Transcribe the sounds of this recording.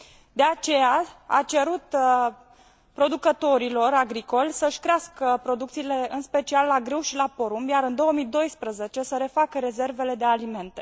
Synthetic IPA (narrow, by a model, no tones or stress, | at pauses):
d̪e̞at͡ʃe̞jaa̰t͡ʃe̞ɾut̪ | pɾo̞d̪ukət̪o̞ɾilo̞ɾaɡɾiko̞lʲsəʃkɾeaskəpɾo̞d̪ukt̪sile̞ɨnspe̞t͡ʃialːaɡɾɨwʃilapo̞ɾumjaɾɨnd̪o̞wəmid̪o̞jspɾəze̞t͡ʃe̞səɾe̞fakəɾe̞ze̞rve̞le̞d̪e̞alime̞nt̪e̞̥